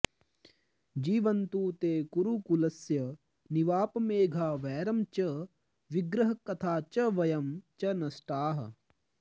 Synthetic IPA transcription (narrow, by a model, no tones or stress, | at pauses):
d͡ʒiːʋɐnt̪uːt̪eːkuɾukulɐsjɐ | niʋaːpɐmeːɡʱaːʋɛːɾɐmt͡ʃɐ | ʋiɡɾɐɦɐkɐt̪ʰaːt͡ʃɐʋɐjɐmt͡ʃɐnɐsʈaːɦɐ̰